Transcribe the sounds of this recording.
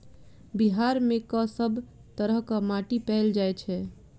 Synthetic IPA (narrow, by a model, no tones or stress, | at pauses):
biɦaɾmekɔsəbʱ | t̪əɾəɦkəmaʈipɛld͡ʒajt͡ʃʰɛ